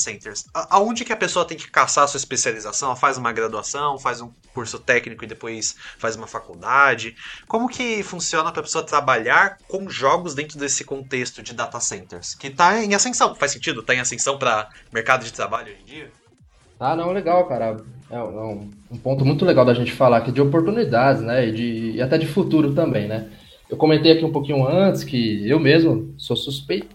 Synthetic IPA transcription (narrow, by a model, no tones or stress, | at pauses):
sẽnt̪eɾsaʔaõnd͡ʒɪkɪɐpesoɐt̪ẽj̃kɪ̥kasaɾɐsuɐɪspesializasɐ̃w̃ɛlɐfazũmɐɡɾad̪uasɐ̃w̃fazũ | kuɾsʊt̪ɛknikʊɪd̪epojsfazũmɐfakuwd̪ad͡ʒɪkõmʊkɪfũsiõnɐpɾɐpe̥soɐt̪ɾabaʎaɾkõw̃ʒɔɡʊzd̪ẽnt̪ɾʊd̪esɪkõnt̪est̪ʊd͡ʒɪd̪at̪asẽnt̪eɾskɪt̪aẽasẽsɐ̃w̃fajsẽnt͡ʃid̪ʊt̪aẽasẽsɐ̃w̃pɾɐmeɾkad̪ʊd͡ʒɪt̪ɾabaʎʊoʒẽd͡ʒiɐ | anɐ̃w̃ɛleɡawkaɾɐɛũɛũũpõt̪ʊmũj̃t̪ʊleɡawd̪ɐʒẽnt͡ʃɪ̥falakid͡ʒɪopoɾt̪unid̪ad͡ʒɪznɛɪd͡ʒɪːat̪ɛd͡ʒɪfut̪uɾʊt̪ɐ̃mbẽj̃nɛ | ewkõmẽnt̪ejakiũpokĩɲʊɐ̃t͡ʃɪ̥skɪewmezmʊsosuspejt̪ʊ